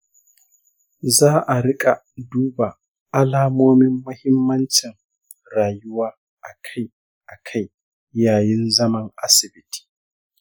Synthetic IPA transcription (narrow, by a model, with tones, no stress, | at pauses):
zaː˦ʔa˨ɽɪ˦kʼa˨ | duː˦ba˨ | ʔa˦laː˦moː˦mɪ˦mːɐ˦hɪ˦mːɐ˦nt͡ʃɪ˨ŋ | ɾaː˨jʊ˦waː˦ | ʔa˨kʰa˦j | ʔa˨kʰa˦j | jaː˨jɪ˦nzɐ˦mɐ˨ŋʔa˦sɪ˨bɪ˦tʰi̥ː˨